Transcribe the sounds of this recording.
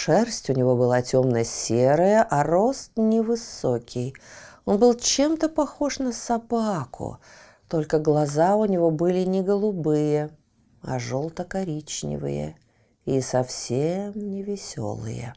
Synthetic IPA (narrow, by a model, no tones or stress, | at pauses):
ʂɛrsʲtʲʊnʲɪvo̞bɨlˠatʲo̞mnəsʲeɾəjəʔɐro̞st̪nʲɪvɨsokʲɪjo̞nbɨlˠt͡ɕemt̪əpɐxo̞ʂnəsɐbakʰʊ̰ | t̪o̞lʲkəɡlˠɐzaʊnʲɪvo̞bɨlʲɪnʲɪɡəlˠʊbɨjə | ɐ̰ʐolˠt̪əkɐɾʲit͡ɕnʲɪ̰vɨ̰jə̰ | isɐfsʲemnʲɪvʲɪsʲo̰lˠɨ̰jə̰